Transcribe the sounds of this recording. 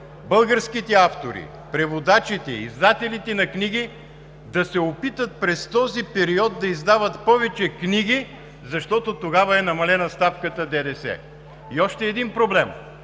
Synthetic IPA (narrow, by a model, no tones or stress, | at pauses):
bɤlˠɡəɾskit̪ɛaft̪oɾḭ | pɾɛvod̪at͡ʃit̪ɛːzd̪at̪ɛlit̪ɛnɐkniɡ̟i | d̪ɐsɛopit̪ət̪̚pɾɛst̪ɔzipɛɾiɔd̪d̪ɐizd̪avət̪pɔvɛt͡ʃɛkniɡi | zɐʃt̪ɔt̪ot̪oɡavɐɛnɐmɐlɛnɐst̪afkət̪əd̪ɛd̪ɛsɛ̰ | iɔʃt̪ɛːd̪inpɾoblɛm